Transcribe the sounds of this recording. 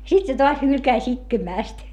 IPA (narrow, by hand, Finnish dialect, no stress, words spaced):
sit se toɑs hylkæĭs itkemæˑst